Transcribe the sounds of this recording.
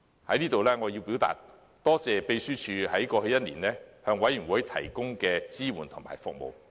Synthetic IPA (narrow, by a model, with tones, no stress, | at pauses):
hɐ˨˥jniː˥t̪o˨wlɛː˥ŋɔː˨˧jiː˧wpiː˨˥wt̪a̰ː˨t̚ | t̪ɔː˥t͡sɛː˨pe˧jsyː˥t͡ʃʰyː˨˧hɐ˨˥jkɔː˧hɵ˧jɐ˥t̚liː˨˩nlɛː˥hœː˧ŋwɐ˨˥jːy˨˩nwuː˨˥jt̪ʰɐ̰˨˩jkʊ˥ŋkɛː˧t͡siː˥wuː˨˩nt̪ʰʊ˨˩ŋma̰ː˨˩jfʊ̰˨k̚mo̰˨w